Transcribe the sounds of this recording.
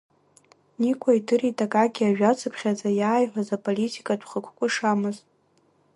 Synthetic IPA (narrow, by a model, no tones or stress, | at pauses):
nikʷʰʼaitʰɨritʼakʼaɡʲiaʒᶣat͡sʰɨpʰχʲad͡zajaːjħʷᶣazapʼolitʰʼikʼadʰχəkʷkʷʼʊʂamɨz